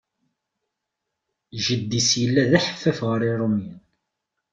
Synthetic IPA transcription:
ʒəd̪ːisjəlːæðæħə̥fːæfʁəɾˤiɾˤomjən

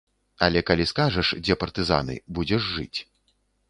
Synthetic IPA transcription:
ɐ̰lʲɛkalʲiskaʐɐʂd͡zʲɛpɐrt̪ɨza̰nɨ̰bud͡zʲɛʐːɨt͡sʲ

